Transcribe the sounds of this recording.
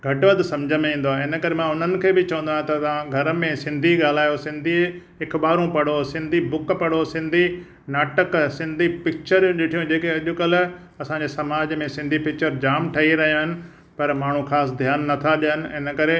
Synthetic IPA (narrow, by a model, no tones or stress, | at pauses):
ɡʱɐʈʋəd̪sɐ̃md͡ʑʱəmẽĩːnd̪oaɦɪnə̆kɐɾemãʊn̤ənɪ̆kʰeːbɪt͡ɕɐʋə̃nd̪aːẽt̪ɐt̪ãɡʱɐɾəmẽsɪ̃nd̪ʱiɠaːl̤aːjosɪ̃nd̪ʱi | ɦɪkʰɓaːɾũpɐɽ̤osɪ̃nd̪ʱibʊkpɐɽ̤osɪ̃nd̪ʱi | naːʈəksɪ̃nd̪ʱipɪk̚t͡ɕəɾjũɗɪʈʰijõd͡ʑeːkeɐʄʊkɐl | ɐsãɲd͡ʑeːsɐmaːd͡ʑmẽsɪ̃nd̪ʱipɪk̚t͡ɕəɾd͡ʑaːmʈʰɐɦiɾɐɦijoɦɪnɪ̆ | pɐɾmaːɳ̤ũxaːs̬d̪ʱjaːnːɐt̪ʰaɗiənɪ̆ɪnəkɐɾe